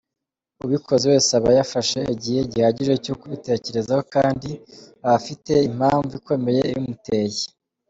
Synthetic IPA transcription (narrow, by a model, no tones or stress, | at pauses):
uβikʰo̞zeweːsaβajafaʃe̞ːɟiheɟihaɟiʒe̞cukuβite̞ːce̞ɾe̞zahokaːndi | aβafite̞im̥haːɱvuikwe̞me̞je̞jumute̞ːje